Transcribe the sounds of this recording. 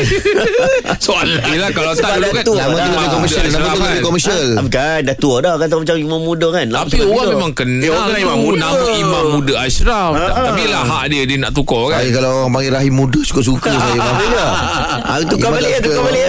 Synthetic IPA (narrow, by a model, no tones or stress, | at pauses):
soalilakalat̪aukat̪namãt̪uləbikɔməsəlnammãuləbikɔməsəlapikandat̪uɔdɔhkat̪̬amat͡ʃamimãmːudəkanlaapioɣaŋmemaŋkənaiaunamə̃imamːudəasɾafaapilaɦaʔdiədəna̰ʔt̪ukɔkajkalaoɣaŋpaŋɡiɾaɦimːudəsu̥kʊʔs̬ukəsajabaida | at̪uikambalit̪kabali